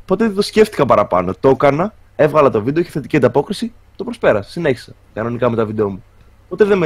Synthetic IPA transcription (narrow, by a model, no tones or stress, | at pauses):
po̞t̪eðosce̞ft̪i̥kɐpɐɾɐpɐ̰no̞t̪o̞kɐnɐ | evɣɐlɐt̪o̞vid̪eoiçe̥θe̞t̪i̥ciɐd̪ɐpo̞kɾisi | t̪o̞pɾo̞spe̞ɾɐssine̞çi̥sɐ | kɐno̞nikɐme̞t̪ɐvid̪eo̞mu | po̞t̪eðem